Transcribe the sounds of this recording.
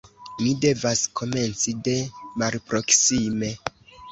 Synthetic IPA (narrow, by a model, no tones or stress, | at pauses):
mide̞vaskʰo̞me̞nt͡side̞malpɾo̞ksime̞